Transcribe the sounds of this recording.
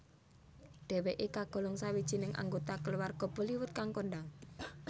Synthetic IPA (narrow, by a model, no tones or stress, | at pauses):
ɖ̪̥ɛ̤weʔekaɡ̥ɔ̤lɔŋsawid̥ʒ̥i̤nɪŋʔa̰ŋɡot̪akəluwarɡ̥ɔ̤b̥ɔ̤liwʊt̪̚kaŋkonɖaŋ